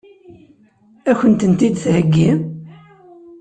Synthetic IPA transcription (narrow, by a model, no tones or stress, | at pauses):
æçənt̪ənt̪id̪θhəɡːim